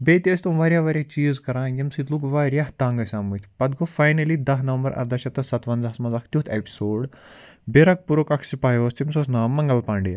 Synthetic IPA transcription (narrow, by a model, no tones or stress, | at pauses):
beːt̪iɐsʲt̪umʋaːɾʲjaːʋaːɾʲjaːt͡ʃiːzkɐɾãːjʲɐmsit̪lukʋaːɾjaht̪ãːŋɡɐsʲaːmut̪ʰʲpɐd̪kʰofaːjnɐlid̪ɐɦnɐʋmbɐɾɐ̰ɾd̪ɐʃɐt̪ːɐsɐt̪ʋɐnzɐɐsmɐnzɐkʰt̪ʲjut̪ʰepi̥soːɖ | beɾɐk̚puɾokɐkʰsipaːjoːst̪ʰimsosnaːmːɐŋɡɐlpaːɳɖi